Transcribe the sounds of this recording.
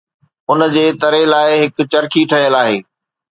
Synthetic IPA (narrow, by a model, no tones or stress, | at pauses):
ʊnd͡ʑeːt̪ɐɾelaːɪɦɪk̆t͡ɕɐɾkʰiʈʰɐɦijəlaːɦeː